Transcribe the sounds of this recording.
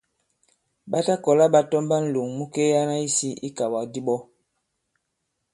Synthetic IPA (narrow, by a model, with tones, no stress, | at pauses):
ɓa˦ta˦kɔ˨la˦ɓa˦tɔ˦mba˦n̩˦˨lu˨ŋmu˦ke˦ja˦na˦i˦si˦i˦ka˨wa˨di˦ɓɔ˦